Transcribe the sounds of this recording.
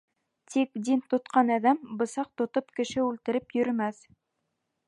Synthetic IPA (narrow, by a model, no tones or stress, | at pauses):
t̪ik̚d̪int̪ŏt̪qɑnæðæmbɤ̆sɑq̚t̪ŏt̪opkɘ̆ʃɘʉlt̪ɘ̆ɾɘpjɵ̆ɾɘ̆mæθ